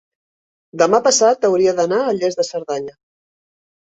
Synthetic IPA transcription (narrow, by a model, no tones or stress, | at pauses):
d̪əmapəsat̪əwɾiəðənaəʎezðəsəɾðaɲə